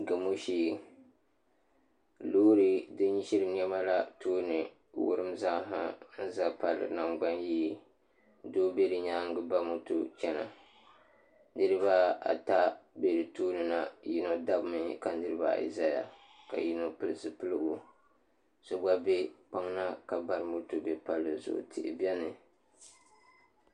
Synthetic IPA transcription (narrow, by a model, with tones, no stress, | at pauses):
ɡɨ˨mo˦ʃiː˦ | loː˦ɾɨ˦dɨ˦ɲi˦ʃi˦ɾɨ˦ɲɛ˦ma˦la˦tʰoː˦nɨ˨ | wʊ̰˦ɾɨ˦mza˦ɦa̰˦n̩˦za˦pa˨lɨ̰˦na˨ŋɡ͡ba˦njiː˦ | doː˦be˦dɨ˨˦ɲaː˦ŋ˦ɡɨ˦ba˦mo˦to˦t͡ʃɛ˦na̰˨ | nɨ˦ɾɨ˦βa˦a̰˨ta˦be˨ɾɨ˨toː˦nɨ˨na˨ji˦no˨da˦bmɨ˨ka˨˦ɨ˦ɾɨ˦ba̰˨˦˨ḭ˨za˦ja̰˨ | ka̰˨ji˦no˨pɨ˦lɨ˦sɨ˨pɨ˦lɨ˦ɡo˦ | so˦ɡ͡ba˦be˦k͡pa˦ŋna˦ka˨ba˦ɾɨ˦mo˦to˨bɛ˦pa˨lːɨ˨zʊ̰˨ʔʊ̰˨tʰɪ̰˨ʔɪ̰˨bɛ˦nɨ˨